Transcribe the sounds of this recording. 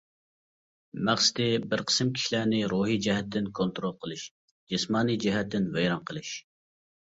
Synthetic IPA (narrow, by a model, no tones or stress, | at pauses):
mæχsɪ̥d̪ɪbɪɾqʰə̥sɨmkʲʰi̥ʃlæːnɪɾuːɦid͡ʒɛɦɛt̪ʰːɪnkʰont̪ɾolˠqʰəlˠɨʃ | d͡ʒɪsmɑːnijd͡ʒɛɦɛt̪ːɪnvɛjɾɑnqʰəlˠɨʃ